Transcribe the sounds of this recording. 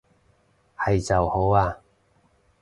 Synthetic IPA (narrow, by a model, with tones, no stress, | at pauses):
hɐ˨jt͡sɐ˨who˨˥waː˧